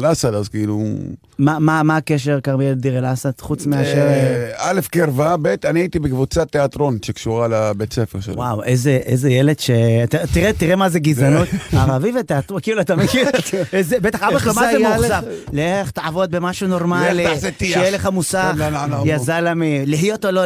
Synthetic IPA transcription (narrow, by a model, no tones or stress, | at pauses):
lasat̪azkiilṵ | mamamaːkeʃeʁkaʁmield̪iʁelasat̪χut͡smiaʃeʁalefkeʁvabet̪aniait̪ibekvut͡sat̪ːeat̪ʁo̞nʃekʃuʁalabet̪sefḛʁʃḛwawʔezeʔḛzejele̞d̪̥ʃet̪at̪iʁet̪iʁemazeɡizanot̪aʁavivet̪eat̪ʁokiːluat̪amekiʁezebet̪aχabeχlomazeuχsafleχt̪aʕavo̞d̪̚bemaʃuno̞ʁmalzet̪ijeleχamusaananajazalamiliɦjot̪olo